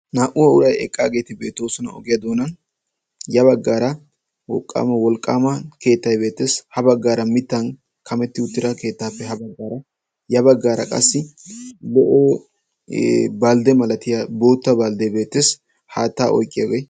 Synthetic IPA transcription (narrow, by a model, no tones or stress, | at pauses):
naːʔʊwɐʊɾɐjɛ̰kʼːaːɡe̞t̪ɪbe̞ːt̪ːo̞ːsɔnɐ̰ɔ̰ɡɪjɐd̪o̞ːnɐn | jɐβɐɡːaːɾɐ | wɔkʼːa̰ːmɐwɔlkʼaːmɐke̞ːt̪ːɐjbe̞ːt̪ːe̞ːshɐbɐɡːaːɾɐmɪt̪ːɐn | kɐmɛt̪ːɪʊt̪ːɪɾɐke̞ːt̪ːaːfːɛhɐbɐɡːaːɾɐ | jɐbɐɡːaːɾɐ̰kʼɐ̰sːɪlɛʔoː | baːld̪ɛmɐlɐt̪ɪjabo̞ːt̪ːɐbald̪ɛjbe̞ːt̪ːeːs | haːt̪ːaːʔɔ̰jkʼːɪjɐ̰ɡej